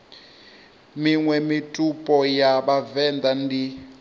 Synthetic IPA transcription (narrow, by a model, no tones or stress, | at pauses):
miŋwɛmitʼupʼɔjaβavɛnd̪andi